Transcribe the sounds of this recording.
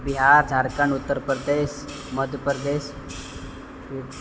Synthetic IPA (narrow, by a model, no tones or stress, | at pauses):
biɦaɾd͡zʱaɾkəɳut̪ːəɾpɾəd̪eɕ | məd̪ʱjəpɾəd̪eɕ | i